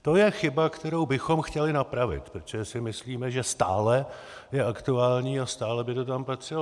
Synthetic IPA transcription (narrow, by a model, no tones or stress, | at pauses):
t̪o̞jɛxɪbakt̪ɛɾo̞wbɪxo̞mxcɛlɪnapɾavɪ̰t̪pɾot̪oʒɛsɪmɪsliːmɛʒɛst̪a̰ːlɛ | jɛakt̪uaːlɲiːast̪aːlɛbɪt̪o̞t̪̬amplat̪r̥ɪ